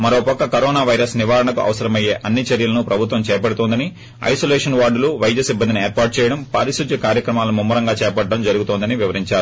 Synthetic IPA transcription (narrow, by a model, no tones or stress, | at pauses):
mɐɾoːpɐkːɐkɐɾɔːnaːʋɐjɾɐsniʋaːɾɐɳɐkuʔɐ̰ʋɐsɐɾɐmɐjeːʔɐnːit͡ʃɐɾjɐlɐnupɾɐbʱut̪̬ʋɐmt͡ʃɛːpɐɽut̪oːnd̪ɐni | ɐ̰jsoːlɛːʂɐnʋaːɾɖuluʋɐjd͡ʒɐsibːɐnd̪inieːɾpaːɾʈ̚t͡ʃɛːjɐɽɐmpaːɾisud͡ʒ̪jɐkaːɾjɐkɾɐmaːlumumːɐɾɐŋɡaːt͡ʃɛːpɐɖːɐmd͡ʒɐɾuɡut̪oːnd̪ɐniʋiʋɐɾiɲt͡ʃaːɾu